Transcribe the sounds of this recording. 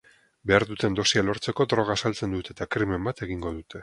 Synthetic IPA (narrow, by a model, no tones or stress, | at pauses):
be̞aɾðut̪e̞nd̪o̞sialo̞ɾt͡se̞ko̞d̪ɾo̞ɣ̞asalt͡se̞nd̪ut̪et̪akɾime̞mbat̪e̞ɣ̞iŋɡo̞ðut̪e̞